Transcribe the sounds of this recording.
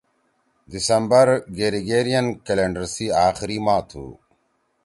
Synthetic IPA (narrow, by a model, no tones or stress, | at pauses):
d̪isɐmbɐɾɡeːɾiɡeːɾijɐnkeleːɳɖɐɾsiːaːxiɾimaːt̪ʰṵː